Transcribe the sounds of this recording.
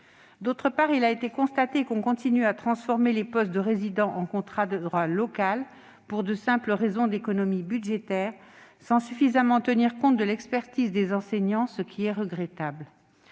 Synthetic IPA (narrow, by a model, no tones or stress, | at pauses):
d̪ot̪χəpaʁilaet̪ekɔ̃st̪at̪ekɔ̃kɔ̃t̪inyat̪χɑ̃sfɔʁmelepɔst̪̚d̪əʁezid̪ɑ̃ʔɑ̃kɔ̃t̪χad̪əd̪ʁwalɔkal | puʁd̪əsɛ̃pləʁezɔ̃d̪ekɔnɔmibyd̪ʒet̪ɛːʁ | sɑ̃syfizamɑ̃t̪əniʁkɔ̃t̪̚d̪əlɛkspɛʁt̪izd̪ezɑ̃seɲɑ̃səkʲʰiɛʁəɡʁɛt̪abl